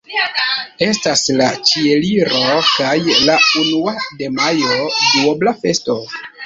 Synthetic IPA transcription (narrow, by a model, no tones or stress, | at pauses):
e̞staslat͡ʃie̞liɾo̞kajlaunuade̞majo̞duoblafe̞sto̞